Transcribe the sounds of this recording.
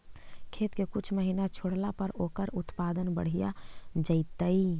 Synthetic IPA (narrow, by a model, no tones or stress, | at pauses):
kʰeːt̪kekʊt͡ʃʰməɦinat͡ʃʰʊɽ̤lapɐɾoːkəɾʊt̪paːd̪ənbəɽ̤ija̰d͡ʒəɪt̪ai